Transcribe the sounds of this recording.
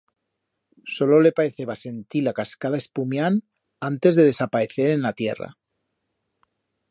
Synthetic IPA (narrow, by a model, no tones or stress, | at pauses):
so̞lole̞paeθeβase̞nt̪ilakaskaðaespumjan | ant̪e̞zðe̞ðe̞sapae̞θeɾenlat̪je̞̰ra̰